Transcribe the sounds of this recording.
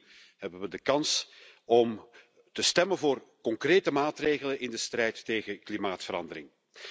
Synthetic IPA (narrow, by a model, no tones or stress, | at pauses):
hɛbənʋədəkɑnsɔm | təstɛmənvoːrkɔŋkreːtəmaːtreːɣələnʔɪndəstrɛjtːeːɣəklimaːtfəɾɑ̰ndəɾɪŋ